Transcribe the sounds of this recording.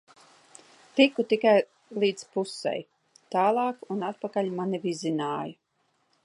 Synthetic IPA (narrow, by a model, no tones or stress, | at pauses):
t̪ʲikut̪ikaj | lˠiːd̪spusɛ̰j | t̪aːlˠɑːkunat̪̚pakalʲmanivizinaːju